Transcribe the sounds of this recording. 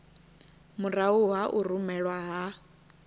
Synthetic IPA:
muɾauɦaʔurumɛɺwaɦa

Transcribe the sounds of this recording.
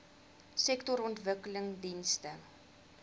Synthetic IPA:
sɛktɔɾɔntvəkələŋdinstə

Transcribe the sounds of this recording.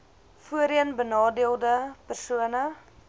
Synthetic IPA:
fuəɾiənbənɑːdiəlˠdəpərsuənə

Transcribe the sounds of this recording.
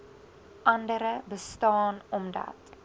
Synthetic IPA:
ʔɐndəɾəbəstɑːnɔmdɐ̰t

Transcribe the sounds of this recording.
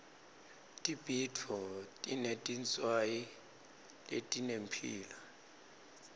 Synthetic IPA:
tʼib̥ʱitʰɔtʼinetʼint͡sʼwaji | lḛtʼinem̩pʰḭːla

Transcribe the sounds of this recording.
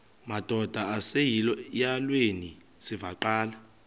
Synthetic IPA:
mad̥ʱɔd̥ʱaasejilɔjalweni | sivaǃaːla

